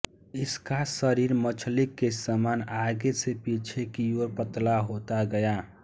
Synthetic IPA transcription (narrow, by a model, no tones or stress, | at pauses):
ɪskasəɾiːɾmət͡ʃʰlikːesəmanaɡesepit͡ʃʰekijoɾpət̪laɦot̪aɡəja